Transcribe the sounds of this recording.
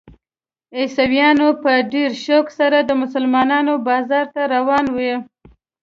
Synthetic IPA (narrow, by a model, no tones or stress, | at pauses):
esawjɑnopəɖeɾʃoksaɾad̪əmʊsʊlmɑnɑnobɑzɑɾt̪aɾawɑnwə